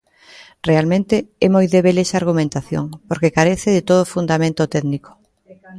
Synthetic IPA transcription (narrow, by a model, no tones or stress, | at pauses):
realmẽnt̪ɪɛmojðeβelɛsaːɾɣ̞umẽnt̪aθjo̰ŋpoɾkekaɾeθɪðɪt̪oð̞ofund̪amẽnt̪ot̪ɛðniko̥